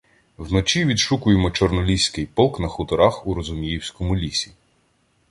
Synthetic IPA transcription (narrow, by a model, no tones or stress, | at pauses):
wnɔt͡ʃʲiʋʲid̪ʃukʊjemɔt͡ʃɔrnɔlʲisʲkɪjpɔlˠknɐxʊt̪ɔɾaxuɾɔzʊmʲijiwsʲkɔmʊlʲisʲi